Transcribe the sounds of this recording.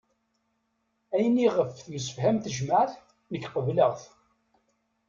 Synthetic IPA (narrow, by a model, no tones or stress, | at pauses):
æjəniʁəfθməsə̥fhæmθəʒməʕθ | nəçːqəvləʁθ